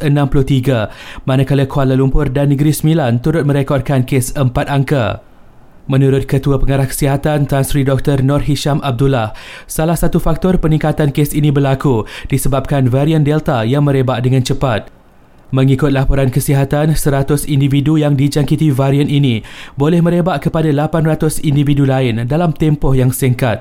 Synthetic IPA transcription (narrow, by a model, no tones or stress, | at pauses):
ənãmplʊht̪iɡamãnakaləkualalumpʊrdanːəɡɾisəmilant̪uɾʊt̪̚mə̃ɾekɔr̚kankesəmpat̪aŋka̰ | mə̃nũɾʊt̪̚kət̪uapəŋaɾahkə̥siɦat̪ant̪ansɾidɔk̚t̪ɔrnɔrɦiʃamab̚dulahsalahsat̪ufak̚t̪ɔrpənĩŋkat̪ankesinĩbərlakudisəbap̚kanvaɾiəndɛlt̪ajaŋmə̃ɾebaʔdəŋãnt͡ʃəpat̪̚ | mə̃ŋikʊt̪̚lapoɾankəsiɦat̪ansəɾat̪ʊsindividujaŋdid͡ʒaŋkit̪ivaɾiəninĩbolɛhmə̃ɾebaʔkəpadalapanrat̪ʊsindividulaɪndalamt̪ɛmpɔhjaŋsəŋkat̪̚